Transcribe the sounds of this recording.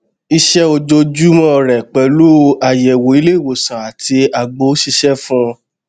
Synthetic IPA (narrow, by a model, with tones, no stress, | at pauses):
i˧ʃɛ˦o˧d͡ʒo˧d͡ʒu˦mɔ̃˦˨ɾɛ˨k͡pɛ˨˦lu˦˧a˨jɛ˨wo˨i˧le˦˨wo˨sã˨a˨ti˧a˨ɡ͡bo˨˦ʃi˧ʃɛ˦fũ˦